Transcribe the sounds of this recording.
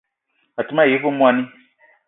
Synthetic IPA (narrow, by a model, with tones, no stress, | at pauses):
ɔ˨ti˨˦mã˦˨i˨˦fo˦mũ˦a˦nĩ˦